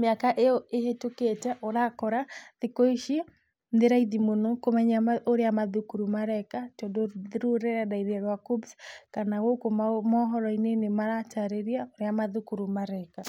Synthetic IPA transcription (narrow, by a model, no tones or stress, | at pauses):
meakaʔeoehetoketɛʔoɾakɔɾaðekoiʃi | ndeɾaiðimonokomɛɲaaoɾeamaðukuɾumaɾɛkatodoðɾuɾɛɾadaiðɛɾwakubskanawokomamɔɦɔɾɔinenemaɾataɾeɾiaoɾeamaðukuɾumaɾɛka